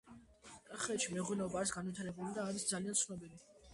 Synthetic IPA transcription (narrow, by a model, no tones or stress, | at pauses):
kʼaχɛːt̪ʃimɛʁwɛnɔbaɾsɡanvit̪ʰaɾɛbulid̪aːɾisd̪zaliant̪sʰnɔbili